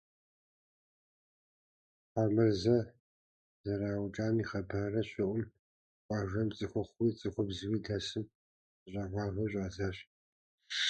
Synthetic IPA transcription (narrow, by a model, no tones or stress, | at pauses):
aːmɨrzɐ | zɐɾaːwʈ͡ʂʼaːmiːχɐbɐrɐɕʷɪʔʷʊm | qʷʼɑʒɐmt͡sʼɨxʷʊχʷwiːt͡sʼɨxʷʊbzwiːdasɨm | ɕʷʼɐʁaːʁʷɐɕʷʼaːzaːɕ